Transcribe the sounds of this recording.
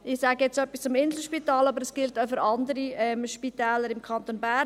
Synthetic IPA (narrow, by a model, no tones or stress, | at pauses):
ɪsaːɡəjɛt͡sœpːist͡sʊmɪnzl̩ʃpitɑːlɑbəɾəsɡ̥ɪltaʊfʏɾʔɑndəɾiɛmʃpit̪ɛːləɾɪmkʰɑnt̪onbæ